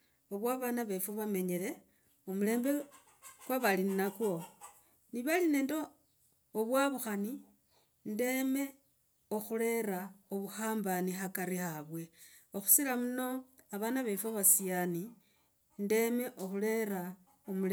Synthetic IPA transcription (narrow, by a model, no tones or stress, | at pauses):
oβwaβanaβefoβame̞ɲele̞ | omule̞ːmbe | kwaβalinnakwo̞ | niβaline̞ːndoː | βwaβuxani | nde̞me̞ | oxule̞ɾaoβuxaːmbanixakaɾixaβwe̞oxu̥siɾamuno̞aβanaβe̞foβasiani | nde̞me̞ʔo̞xule̞ɾa | omul